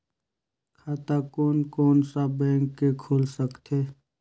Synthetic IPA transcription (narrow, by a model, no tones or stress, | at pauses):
kʰaːt̪akoːnkoːnsabɛ̃ːŋkːekʰoːlsəkt̪ʰeː